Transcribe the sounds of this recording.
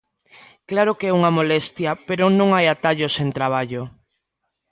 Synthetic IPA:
klaɾokeɛuŋamolɛst̪japeɾonõŋajat̪aʎosent̪ɾaβ̞aʎo

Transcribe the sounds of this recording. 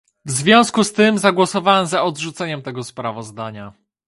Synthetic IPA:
vzvʲjɔ̃w̃skust̪ɘmzaɡwɔsɔvawɛmzaɔd̪ʐut̪sɛɲɛmt̪ɛɡɔspɾavɔzd̪aɲa

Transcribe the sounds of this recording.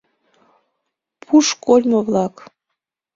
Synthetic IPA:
pʰuʃkolʲmɤβlɑk

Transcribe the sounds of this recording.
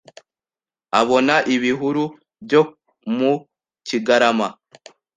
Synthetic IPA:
aβo̞naʔiβiɦuɾu | bjo | mu | ciɡaɾama

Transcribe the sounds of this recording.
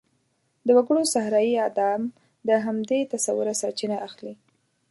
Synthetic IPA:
d̪əwaɡəɽosahɾɑjiad̪ɑm | d̪əɦamd̪et̪asawʊɾasaɾt͡ʃinaʔaxli

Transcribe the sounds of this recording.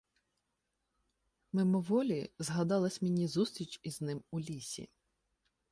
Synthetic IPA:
memɔʋɔlʲizɦɐd̪ɑlˠɐsʲmʲinʲizust̪ɾʲit͡ʃiznɪmʊlʲisʲḭ

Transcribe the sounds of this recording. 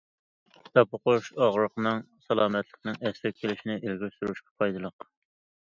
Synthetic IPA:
t̪ɑpʊqoʃɑʁɾəqnɨŋsɑlˠɑːmɛt̪ʰlˠəqnɨŋɛsɾɛk̚ʲkʲʰːelɪʃinɪʔelɡʲisuɾuʃqɑ̥pʰɑjd̪ɨlˠəq

